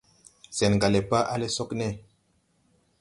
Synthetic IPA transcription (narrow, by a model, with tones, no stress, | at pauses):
sɛ˨nŋɡa˨le˨pa˦ʔa˦le˦sɔ˦knɛ˦˨